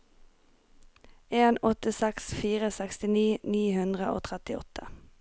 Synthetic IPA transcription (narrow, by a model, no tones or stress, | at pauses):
eːnɔt̪əsɛksfiːʁəsɛkst̪ɪniːniːhʉnd̪ʁəʔo̰ːt̪ʰʁɛt̪ɪɔ̰t̪ʰə